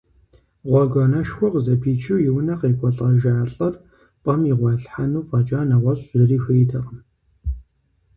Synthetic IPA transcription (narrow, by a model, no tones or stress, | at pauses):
ʁʷɔɡʷɐnɐʃxʷɔqʷzɐpʰiːt͡ʃʰɨwjɪwnɐqeːkʷʼɔɬʼɐʒaːɬʼɐr | pʼɐmiʁʷɑɬħanuːpʼɐt͡ʃʼaːnɐʁʷɔɕʼzɨriːxʷejtʰɐqn